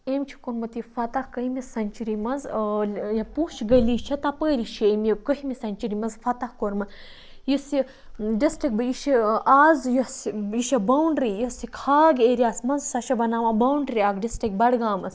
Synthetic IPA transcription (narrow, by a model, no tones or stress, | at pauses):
emt͡ʃʰi̥kuɾmɐt̪ifɐt̪ɐhkɐɦimisɐnʲt͡ʃiɾimɐnzjɐpuʃɡɐliːt͡ʃʰɐt̪ɐpəːɾiʃʰiemjikəɦimisɐnʲt͡ʃiɾimɐnzfɐt̪ɐhkoɾmɐ | jisi | ɖisʈik̚bɨjiʃiaːzjɐsiʃɐbɐwɳɖɾijisikʰaːɡeːɾiaːsmɐnzsɐʃɐbɐnaːmɐbɐwɳɖɾiaːɡɖisʈik̚bɐɽɡaːmɐs